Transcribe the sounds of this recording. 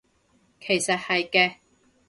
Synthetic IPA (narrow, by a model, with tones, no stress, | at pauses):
kʰe˨˩jsɐ˨t̚hɐ˨jkɛː˧